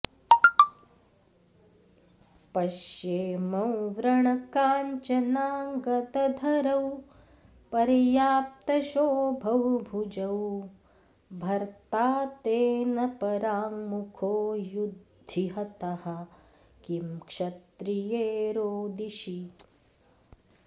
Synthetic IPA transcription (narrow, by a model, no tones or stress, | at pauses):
pɐʃjeːmɐ̃wʋɾɐɳɐkaːɲt͡ʃɐnaːŋɡɐd̪ɐd̪ʱɐɾɐw | pɐɾjaːp̚t̪ɐʃoːbʱɐwbʱud͡ʒɐw | bʱɐɾt̪aːt̪eːnɐpɐɾaːŋmukʰoːjud̪ʱiɦɐt̪ɐhɐ | kimkʂɐt̪ɾijeːɾoːd̪iʃi